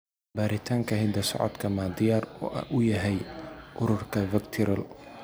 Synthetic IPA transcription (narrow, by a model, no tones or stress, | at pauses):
baːɾɪt̪ʰaːŋkʰɐɦɪd̪ɐsɔ̰ʕɔ̰d̪kʰɐmaːd̪ɪjaːɾɔ̰ːʔɐ̰ʔʊjɐɦɛjʔʊɾʊrkʰɐvɪkt̪ʰɪɾɐl